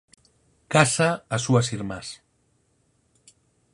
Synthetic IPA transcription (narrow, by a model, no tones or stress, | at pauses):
kasaasuasiɾmas